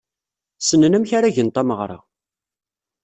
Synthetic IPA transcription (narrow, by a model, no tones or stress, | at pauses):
sənːənæmçaɾaʝənt̪ˤɑməʁɾˤɑ̰